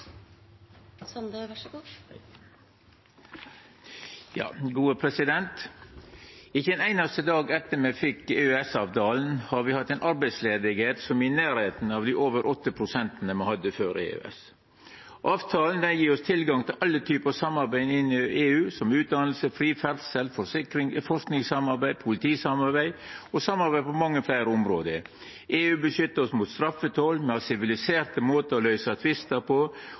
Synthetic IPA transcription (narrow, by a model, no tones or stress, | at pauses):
jɑ̰ːɡuːəpʰɾɛsɪd̪ɛnt̪ | ɪçːəd̪ɛnæɪnɑst̪əd̪ɑːɡɛt̪ːəmeːfɪkeːʉɛsɑːʋt̪ʰɑːln̩hɑɾʋɪhɑt̪ːæɪnʔɑɾbæɪsleːd̪ɪɡheːt̪sɔmɪnæːɾheːt̪n̩ɑːʋd̪iːʔoːʋəɾʔɔt̪ːəpʰɾʊsɛnt̪nəmɑhɑd̪əføːɾḛːʉ̰ɛ̰s | ʔɑːʋt̪ʰɑːln̩d̪ɛnjiːɾɔst̪ʰɪlɡɑŋt̪ʰɪlʔɑlːət̪ʰyːpəɑsɑmːɑɾbæɪɪnːɪeːʉːsɔmʉːt̪̚d̪ɑnl̩səfɾiːfɛlsəlfɔsɪkɾɪfɔʂknɪŋsɑmɑɾbæɪd̪pʰʊlɪt̪ʰiːsɑmɑɾbæɪɔsɑmɑɾbæɪpʰɔmɑŋːəflæɪɾəɔmɾoːd̪əɾ | ʔeːʉːbəʃʏt̪ːəɾɔsmut̪st̪ɾɑfːət̪ʰɔːlmɛɑsɪʋɪlɪseːɾt̪əmoːt̪əɔlœʏsɑt̪ʰʋɪst̪əpʰɔ